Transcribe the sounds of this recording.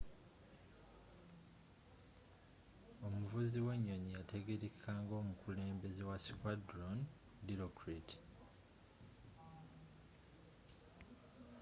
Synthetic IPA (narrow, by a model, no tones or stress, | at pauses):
o̞muvuziwe̞ɲːoɲijatʰe̞ɡeɾekʰaːŋɡo̞ːmukʰule̞ːmbe̞zewasikwadɾon | diɾokɾiti̥